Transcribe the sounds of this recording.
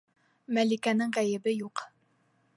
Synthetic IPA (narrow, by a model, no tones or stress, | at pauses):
mælikænɘŋʁæjɘ̆bɘjuq